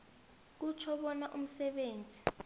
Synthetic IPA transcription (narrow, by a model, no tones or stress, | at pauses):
k̬ut͡ʃʰɔɓɔnaʔum̩sɛɓeːnd͡zʱi